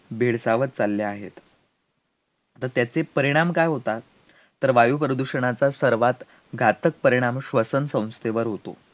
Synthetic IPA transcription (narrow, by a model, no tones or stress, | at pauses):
bʱeɽsaʋət̪̚t͡salːjaaɦḛt̪ | t̪əɾt̪jat͡sepəɾiɽ̃amkajɦot̪a | t̪ːəɾʋajupɾəd̪uɕəɳ̃at͡sasəɾʋat̪ | ɡʱat̪ək̚pəɾiɽ̃amɕʋəsənsə̃w̃st̪eʋəɾɦot̪o̰